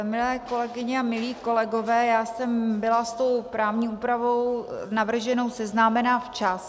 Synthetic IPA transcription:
mɪlɛːko̞lɛɡɪɲɛamɪliːko̞lɛɡo̞vɛːjaːsɛmbɪlast̪o̞wpɾaːvɲiːʔuːpɾavo̞wnavr̩ʒɛno̞wsɛznaːmɛnaːft͡ʃas

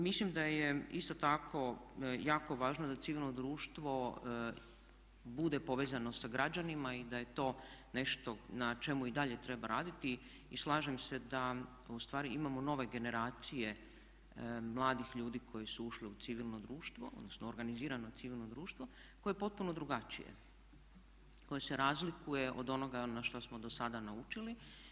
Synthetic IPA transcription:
mislimd̪ajeist̪ot̪akʰo̞jaːko̞ʋaːʒnod̪at̪siʋilˠnod̪ɾuːʃt̪ʋo̞ | bud̪epo̞ʋezano̞saɡɾad͡ʒanimaid̪aje̞t̪o̞ːne̞ʃt̪o̞nat͡ʃe̞muid̪aʎe̞t̪ɾe̞baɾaːd̪it̪i | islˠaːʒemse̞d̪a | ust̪ʋaːɾiimamo̞no̞ʋe̞ɡe̞ne̞ɾaːt̪sije̞ | mlˠaːd̪ixʎuːd̪iːkʰo̞jesuuʃleut̪siʋilˠno̞d̪ɾuːʃt̪ʋo̞o̰d̪nosnoːɾɡaniziːɾano̞t̪siʋilˠno̞d̪ɾuːʃt̪ʋo̞ | ko̞jepo̞t̪̚puno̞d̪ɾuɡat͡ʃḭjḛ | ko̞jese̞ɾaːzlikuje̞ʔod̪o̞no̞ɡanaʃt̪osmo̞d̪o̞sad̪anaut͡ʃili

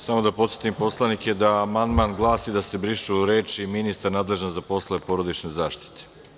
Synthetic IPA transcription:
samo̞d̪apo̞t̪sje̞t̪impo̞slˠaniked̪aːmand̪manɡlˠaːsid̪ase̞bɾiʃuɾeːt͡ʃiminist̪aɾnaːd̪leʒnozapo̞slˠaepo̞ɾo̞d̪it͡ʃnezaːʃt̪i̥t̪ʰe̥

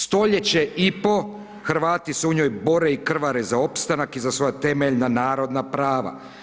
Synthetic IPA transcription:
st̪o̞ʎet͡ɕeipo̞ | xɾʋaːt̪iseuɲojbo̞ɾeikr̩ʋaɾezao̞pst̪anakizasʋo̞jat̪e̞meʎnanaːɾo̞d̪napɾaːʋa̰

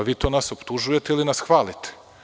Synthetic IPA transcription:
ʋiːt̪oːnasopt̪uʒujet̪eilinasxʋaːlit̪e̥

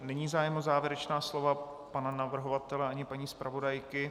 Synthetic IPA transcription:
nɛɲiːzaːjɛmozaːvjɪɛɾɛt͡ʃnaːslova | pananavr̩ɦovat̪ɛlɛʔaɲɪpaɲiːspɾavo̞dajkɪ

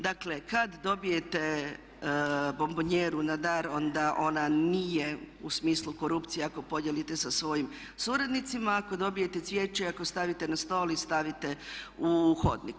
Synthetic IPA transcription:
d̪akle̞kad̪d̪o̞bije̞t̪e | bo̞mboɲeːɾunad̪aɾo̞nd̪aʔo̞nanije̞usmiːslˠuko̞ɾupt̪sijeako̞po̞d̪jelit̪e̞sasʋo̞jim | suɾad̪nit̪simaːko̞d̪o̞bije̞t̪e̞t̪sʋjet͡ʃeiako̞st̪aʋit̪e̞nast̪o̞ːlist̪aʋit̪e̞uxo̞̰d̪nḭk

